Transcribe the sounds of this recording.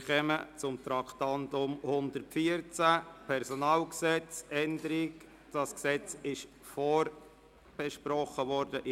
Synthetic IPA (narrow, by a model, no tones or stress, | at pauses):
χɛmət͡sʊmt̪ɾɑkt̪ɑnt̪ʊmhʊnd̪əɾtfiəɾt͡sæpʰɛɾsɔnɑːlksɛt͡sɛnd̪əɾik | d̥ɑsksɛt͡sɪʃ | fɔːr | b̥ɛʃpɾɔχəʋɔɾdəʔ